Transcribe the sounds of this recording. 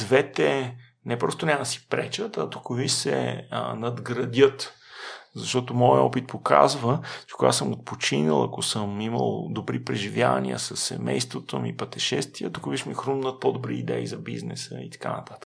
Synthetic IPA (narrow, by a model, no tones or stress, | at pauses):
d̪vɛt̪ɛ | nɛpɾɔst̪onʲaəsi̥pɾɛt͡ʃət̪ɐt̪okovisɛ̰nɐd̪ɡɾɐd̪ʲət̪ | zɐʃt̪ɔt̪omɔjəɔpit̪̚poka̰zvət͡ʃɛ̥koɡa̰səmot̪̚pot͡ʃinilˠɐ̰kosəmiməlˠd̪obɾipɾɛʒivjavɐ̰nʲḭə̰sɐsːɛ̰mɛjst̪vot̪omipət̪ɛʃɛst̪viət̪okoviʃmixɾumnət̪̚pod̪obɾiːd̪ɛizɐbiznɛ̰sə̰it̪ɐ̥kanət̪at̪ə̥k